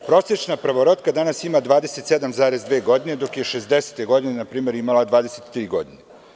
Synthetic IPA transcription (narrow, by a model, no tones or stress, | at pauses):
pɾo̞ːset͡ʃnapɾaʋoɾot̪kad̪anasimad̪ʋaːd̪eset̪sed̪amzaːɾezd̪ʋe̞ːɡo̞d̪ine̞d̪o̞kjeʃezd̪ese̥t̪eɡo̞d̪inenapɾiːme̞ɾimalˠad̪ʋaːd̪e̞set̪ːɾiːɡo̞̰d̪ine